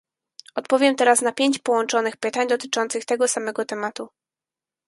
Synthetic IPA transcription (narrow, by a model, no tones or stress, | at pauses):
ɔt̪̚pɔvʲjɛmt̪ɛɾasnapʲjeɲt͡ɕpɔwɔnt͡ʂɔnɘxpɘt̪aɲd̪ɔt̪ɘ̥t͡ʂɔnt̪sɘxt̪ɛɡɔsamɛɡɔt̪ɛmat̪u